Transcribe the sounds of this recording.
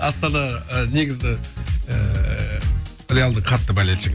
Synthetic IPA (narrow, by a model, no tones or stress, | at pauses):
ɑst̪ɑnɑəne̞ɡʲɪzɪə | re̞jalˠd̪əqʰɑt̪ːəbælelʃɪɡ